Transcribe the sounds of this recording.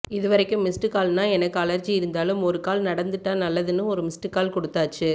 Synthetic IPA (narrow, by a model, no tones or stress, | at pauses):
ɪðɯʋɐɾɐɪkːɯmːɪsʈɯkaːlnaːɛnɐkːɯɐlɐɾt͡ʃiɪɾɯnd̪aːlɯmɔɾɯkaːlnɐɽɐnd̪ɯʈːaːnɐlːɐðɯnːɯɔɾɯmɪsʈɯkaːlkɔɽɯt̪ːaːt͡ʃːɯ